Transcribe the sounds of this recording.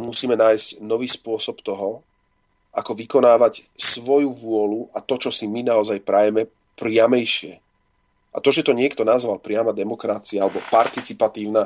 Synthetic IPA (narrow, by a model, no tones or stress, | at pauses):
musiːmɛnaːjscnɔʋiːspʊɔsɔpt̪ɔɦɔ | ʔakɔʋikɔnaːʋacsʋɔjuʋʊɔluʔat̪ɔt͡ʃɔsiminaɔzajpɾajɛmɛ | pɾɪamɛjʃɪɛ | ʔa̰t̪ɔʒɛt̪ɔɲɪɛkt̪ɔnazʋalpɾɪamad̪ɛmɔkɾat͡siaalɛbɔpaɾt̪it͡sipat̪iːʊna